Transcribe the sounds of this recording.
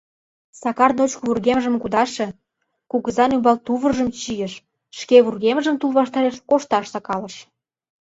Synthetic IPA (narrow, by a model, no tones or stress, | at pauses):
sɑkɑrnot͡ɕkβurɣeməʒə̆mkud̪ɑʃĕ | kuɣəzɑnymbɑlt̪uβə̆rʒə̆mt͡ɕijəʃ | ʃkeβurɣeməʒə̆mt̪ulβɑʃt̪ɑɾeʃkoʃt̪ɑʃsɑkɑlə̆ʃ